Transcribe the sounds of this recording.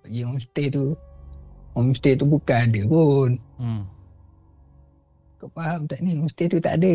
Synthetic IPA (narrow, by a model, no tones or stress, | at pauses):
ʔd͡ʒiŋɔmst̪et̪u | ŋɔmst̪et̪ubukaadəpun | kəpaɦamt̪aʔniŋɔmst̪et̪ut̪a̰ʔadə